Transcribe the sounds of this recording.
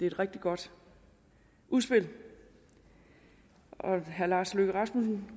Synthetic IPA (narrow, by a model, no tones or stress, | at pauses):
d̥e̝e̝d̥ʁeɡ̥̚d̥iɡ̥ɒ̽d̥ | ʔuðˠsb̥e̝l̰ | ʔɒ̽ɦæɐlɑ̈ːsløɡ̥əʁɑ̈smusn̩